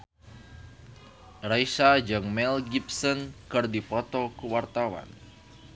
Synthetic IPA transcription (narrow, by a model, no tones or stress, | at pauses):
raisad͡ʒɨŋmɛlɡipsɔnkɨrdipɔt̪ɔkuwart̪awa̰n